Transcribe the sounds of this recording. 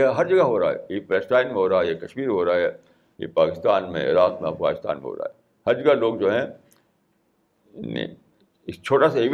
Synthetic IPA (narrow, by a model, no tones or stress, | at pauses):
eɦɐɾd͡ʒɐɡaɦoːɾaa̰ɦɛ̰jepɛːsʈaːɪnmẽɦoːɾaaɛjekɐʃmiːɾɦoːɾaaɦɛː | jḛpaːkɪst̪aːnmḛ̃ɾaːkmẽɐfɡa̰ːnɪst̪a̰ːnmḛ̃ɦo̰ːɾa̰ːɦɛ | hɐɾd͡ʒɐɡaloːɡd͡ʒoːɦɛ̃ | nḛ̃ | ɪt͡ʃʰoːʈasaeʋ